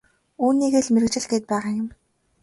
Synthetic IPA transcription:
uːniːɣeːɮmeɾɘ̆kt͡ɕɪ̆ɮɡeːt̪̚pæːʁaːjʊ̆m

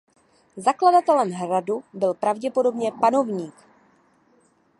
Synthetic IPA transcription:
zakladat̪ɛlɛmɦɾadubɪlpɾavɟɛpo̞do̞bɲɛpano̞vɲiːk

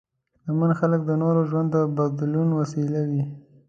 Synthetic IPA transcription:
lamanxalək̚d̪ənoɾoʒwand̪ːəbaɡ̚d̪lunwasilawi

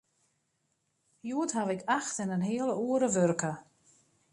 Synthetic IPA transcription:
juətɦaʋɪkaxtənənɦɪələuəɾəʋørkʰə

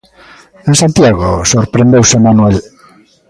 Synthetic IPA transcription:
ensant̪jaɣosoɾpɾẽnd̪ewsemanwɛl

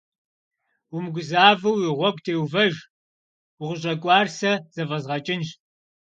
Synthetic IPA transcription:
wʊmɡʷʊzaːvɐwjiʁʷɔkʷʼtʰeːwvɐʒ | wʊʁəɕʼɐkʷʼɑːrsɐz̥ɐvɐzʁɐt͡ʃʼɪnʒ

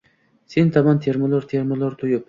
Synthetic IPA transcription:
sent̪ʰɑmɑnt̪ʰeɾmolˠoɾt̪ʰeɾmolˠoɾt̪ʰʊjʊp̚

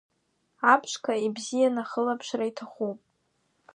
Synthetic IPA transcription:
apʰʂkʰaibzijanaχəlapʰʂraitʰaχupʼ

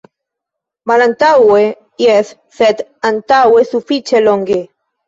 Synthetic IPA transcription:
malant̪awe | jeθ | θet̪ant̪awesufit͡ʃeloŋɡe

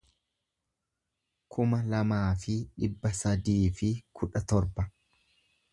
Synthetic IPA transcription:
kʰʊmɐlɐmaːfɪᶑɪbːɐsɐd̪iːfɪkʰʊᶑɐt̪ɔɾbɐ

